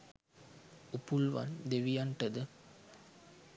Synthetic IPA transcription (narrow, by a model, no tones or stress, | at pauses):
upulʋa̰nd̪eʋijaɳʈəd̪ə